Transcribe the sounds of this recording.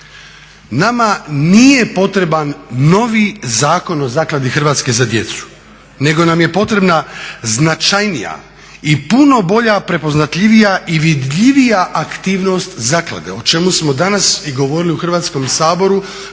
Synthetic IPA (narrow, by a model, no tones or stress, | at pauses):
namanije̞po̞t̪ɾe̞banːo̞ʋizaːko̞no̞zaːklˠad̪ixr̩ʋaːt̪ske̞zad̪je̞t̪su̥ | ne̞ɡo̞namje̞po̞t̪ɾe̞bnaznat͡ʃajnija̰ | ipuno̞bo̞ʎapɾe̞po̞znat̪ʎiʋijaʔiʋid̪ʎiʋijaʔakt̪iːʋno̞st̪zaːklˠa̰d̪e̞̰o̞t͡ʃe̞musmo̞d̪anasiɡo̞ʋo̞ɾiliuxr̩ʋaːt̪sko̞msaːbo̞ɾu